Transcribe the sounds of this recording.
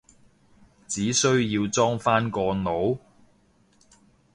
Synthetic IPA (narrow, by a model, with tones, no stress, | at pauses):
t͡siː˨˥sɵ˥ɥjiː˧wt͡sɔː˥ŋfaː˥nkɔː˧no˨˥w